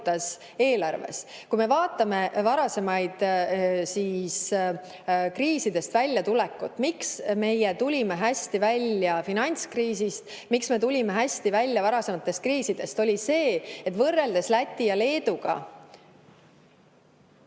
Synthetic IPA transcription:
t̪ːɑs | e̞ːlɑrve̞̰skujme̞vɑːt̪ːˑɑme̞vɑɾɑse̞mɑjd̪̥siːs | kriːsid̪̥e̞st̪vælʲːjɑt̪ulɛkːˑut̪ːˑmiksme̞jet̪ulʲime̞ɦæsʲt̪ivælʲːjɑfinɑnʲt̪skriːsist̪ | miksme̞t̪ulʲime̞ɦæsʲt̪ivælʲːjɑvɑɾɑse̞mɑt̪ːˑe̞st̪̚kriːsid̪̥e̞st̪o̞lʲise̞ːet̪ːˑvɤrːe̞ld̪e̞slæt̪ʲːijɑle̞ːd̪uɡ̥ɑ̰

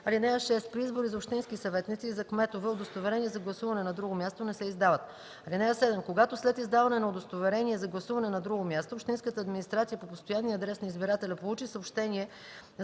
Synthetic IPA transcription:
ɐlinɛəʃɛst̪̚pɾiizboɾizopʃt̪inskisɐvɛt̪nit̪siːzɐkmɛt̪ovɛod̪ost̪ovɛɾɛniɛzɐɡlˠɐsuvɐnɛnɐd̪ɾuɡomʲjast̪onɛsɛizd̪avɐt̪ | ɐlinɛəsɛd̪ɛmkoɡat̪oslɛt̪izd̪avɐnɛnɐod̪ost̪ovɛɾɛniɛzɐɡlˠɐsuvɐnɛnɐd̪ɾuɡomʲjast̪oːpʃt̪inskət̪əːd̪minist̪ɾat̪sijəpopost̪ojanːiɐd̪ɾɛsnɐizbiɾat̪ɛlʲɐpolˠut͡ʃisəopʃt̪ɛniɛ

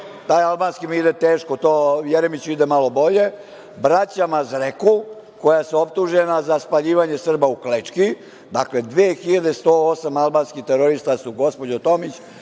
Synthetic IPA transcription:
t̪aːjalˠbaːnskimiid̪et̪eːʃko̞t̪oːjeɾemit͡ɕid̪emalo̞bo̞ʎe̞ | bɾat͡ɕamazɾeku | ko̞jaseo̞p̚t̪uʒenazaspaʎiːʋaɲe̞sr̩bauklet͡ʂki | d̪akle̞d̪ʋeːxiʎad̪e̞st̪oosamalˠbaːnskit̪eɾoɾist̪asuɡospo̞d͡ʑot̪o̞mit͡ɕ

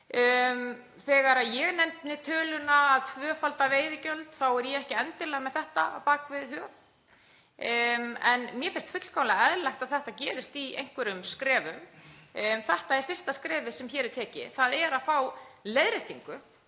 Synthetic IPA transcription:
m | θɛːɣaɾaðjɛɣnɛmpnɪt̪ʰœːlʏnaːðt̪ʰvœːfalt̪aveːjðɪcœlt̪θawɛɾjɛɛhcɪɛnt̪ɪlɛɣamɛðθɛht̪a̰a̰paːkvɪðhœ | mɛnmjɛfɪnst̪fʏt̪l̥kawnlaɛðlajxt̪aðθɛht̪acɛːɾɪst̪iḛjŋ̥kvɛɾʏmskɾɛːvʏm | θɛht̪aɛɾfɪr̥st̪askɾɛːvɪsɛmçɛːɾɛɾt̪ʰɛːcɪ̰θaðɛɾaðfawleðɾeht̪iŋkʏ

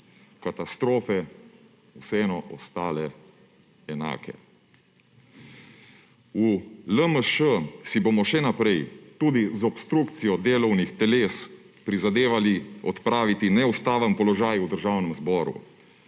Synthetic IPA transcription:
kat̪ast̪ɾoːfɛ | usɛɛnɔʔɔst̪aːlɛ | ɛna̰ːkɛ̰ | uləməʃəsibomɔʃɛnapɾɛjt̪uːd̪izɔpst̪ɾuːkt̪sijɔd̪eːlɔwnixt̪ɛleːs | pɾizad̪eːʋaliɔt̪pɾaːʋit̪inɛust̪aːʋampɔlɔʒaːjud̪əɾʒaːwnəmzbɔːɾṵ

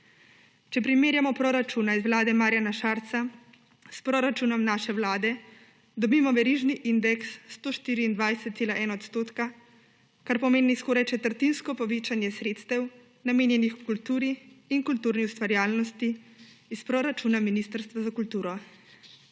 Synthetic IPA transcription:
t͡ʃɛpɾimeːɾjamɔpɾɔɾat͡ʃuːnaizwlaːd̪ɛmaːɾjanaʃaɾt̪sa | spɾɔɾat͡ʃunɔmnaːʃɛwlaːd̪ɛ | d̪ɔbimɔʋɛɾiːʒniʔind̪ɛksːt̪oːʃt̪iːɾiːnd̪ʋajsɛt̪̚seːlaʔɛnaɔt̪st̪oːt̪ka | kaɾpɔmeːniskɔːɾajt͡ʃɛt̪əɾt̪inskɔpɔʋiːt͡ʃanjɛsɾeːt̪st̪ɛw | nameːnjɛnixukult̪uːɾiːŋkult̪uːɾniust̪ʋaɾjaːlnɔst̪iispɾoɾat͡ʃunaminist̪əɾst̪ʋazakult̪uːɾɔ

